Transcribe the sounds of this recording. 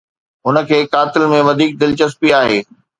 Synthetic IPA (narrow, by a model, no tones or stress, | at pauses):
ɦʊnə̆kʰeːkaːt̪ɪlmẽʋɐd̪ʱiːk̚d̪ɪlt͡ɕɐspiaːɦeː